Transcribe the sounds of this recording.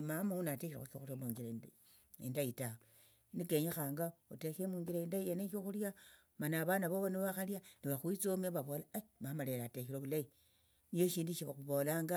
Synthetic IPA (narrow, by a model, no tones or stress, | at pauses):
mamaunatexiɾa̰ukoxuɾjamuŋɡiɾa | ḛndajitaβe | nikeɲexaːŋɡaotexemuŋɡiɾaendaieneʃoxulja | manaːβanaβoβoniβaxaljaniβaxwit͡somaβaβo̞ːlamamale̞ɾatexiɾokulai | nijoʃiːndiʃiβaxuβo̞laːŋɡa